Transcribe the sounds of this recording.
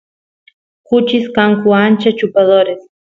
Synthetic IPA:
kut͡ʃiskaŋkuant͡ʃɐt͡ʃupɐðoɾes

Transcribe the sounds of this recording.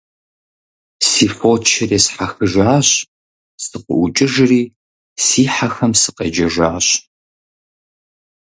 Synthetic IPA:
siːfʷoːt͡ʃʰɐreːsħaxɨʒaːɕ | sɨqʼʊ̰ʔʷʊt͡ʃʼɪʒriː | siːħaxɐmsɨ̥qɐ̰d͡ʒɐʒaːɕʼ

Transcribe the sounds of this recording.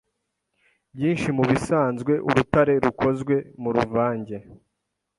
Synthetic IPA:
bɟiːnʃimuβisaːnzɡwe̞ʔuɾutaɾe̞ɾukʰo̞zɡwe̞muɾuvaːɲɟe̞

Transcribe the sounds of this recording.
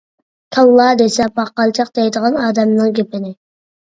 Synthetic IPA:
kʲʰɑlˠːɑd̪esɛpɑqːɑlˠt͡ʃʰɑq̚d̪ɛjd̪əʁɑnɑːd̪ɛmnɨŋkʲepɪnɪ

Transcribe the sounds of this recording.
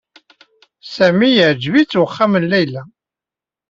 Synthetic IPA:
sæmijəʕd͡ʒvit͡sːwəχːamənlæjlæ

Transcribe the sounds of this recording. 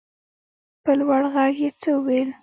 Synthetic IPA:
pəlwaɽɣaɡjet͡səəwel

